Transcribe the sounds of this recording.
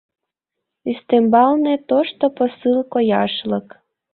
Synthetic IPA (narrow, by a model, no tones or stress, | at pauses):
ist̪embɑlnet̪oʃt̪oposɨlˠkojɑʃlək